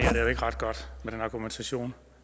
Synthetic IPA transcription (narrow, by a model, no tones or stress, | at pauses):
e̝̰ɐd̥ejoe̝ɡ̥əʁɑ̈d̥ɡ̥ɒ̽d̥meɾ̥enɑ̈ɡ̥ument͡sʰæɕo̝̰ːn